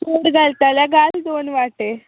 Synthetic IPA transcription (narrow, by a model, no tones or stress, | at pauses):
koɽɡalt̪alaɡald̪onʋaʈe